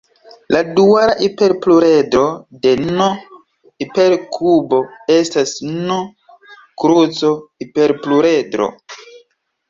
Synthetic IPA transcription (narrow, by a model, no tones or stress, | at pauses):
laduaɾaʔipe̞ɾpluɾe̞dɾo̞de̞no | ipe̞ɾkʰubo̞e̞stasno | kɾut͡so̞ipe̞ɾpluɾedɾo̰